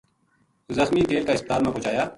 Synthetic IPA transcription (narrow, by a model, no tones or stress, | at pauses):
zəxmiːkeːlkaɪsp̚t̪aːlmẽpʊːt͡ʃaːjaː